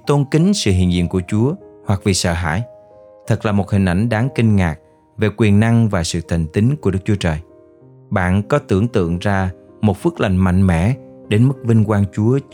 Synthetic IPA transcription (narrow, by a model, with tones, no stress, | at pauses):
t̪o˧nkï˨˦ŋ̟sɨ̰˧˨ɦḭ˧˨ənzḭ˧˨ənku˧˩ət͡ɕu˨˦əhwa˨˩k̚vḭ˨˩sə̰ː˧˨ɦa̰ː˧˥j | t̪ʰə˨˩k̚laː˨˩mo˨˩hi˨˩ŋ̟ʔa˧˩jŋ̟ɗaː˨˦ŋkï˧ŋ̟ŋaː˨˩k̚ | ve˨˩kwi˨˩ənːa˧ŋvaː˨˩sɨ̰˧˨t̪ʰə˨˩ŋ̟t̪ï˨˦ŋ̟ku˧˩əɗɨ˦˥k̚t͡ɕu˨˦ət͡ɕəː˨˩j | ɓa̰ː˧˨nkɔ˨˦t̪ɨ˧˩əŋt̪ɨ̰˧˨əŋzaː˧ | mo˨˩t̚fɨ˦˥ək̚la˧˩jŋ̟ma̰˧˨jŋ̟mɛ̰˧˥ɗe˨˦nmɨ˦˥k̚vi˧ŋ̟kwaː˧nt͡ɕu˨˦ə